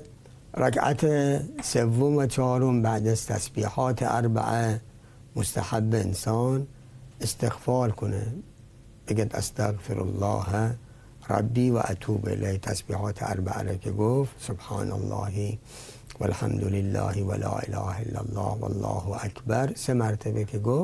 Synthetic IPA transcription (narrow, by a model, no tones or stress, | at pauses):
ɾakʰat̪ʰesevːomvæt͡ʃʰɒːɾombæʕd̪æzt̪ʰæsbiːħɑːt̪ʰeʔaɾba̰ʔæ | most̪ʰaħabːeensɑːn | ʔest̪eɣfɑːlkʰone | b̥eɡæd̪ʔæ̰st̪ʰaɣfeɾʔa̰lːɑːh | ɾˤɑ̰bːiːvæ̰ʔat̪ʰuːbʔḛleht̪ʰæsbiːhɑːt̪ʰeʔaɾbaʔa̰ɾekʰeɡoft̪sobħɑːna̰lːɑːhi | valħamd̪olelːɑ̰ːhevalɑːʔḛlɑːhæelːælːɑːhva̰lːɑːhʔækʰbæɾsemæɾt̪ʰebekʰeɡof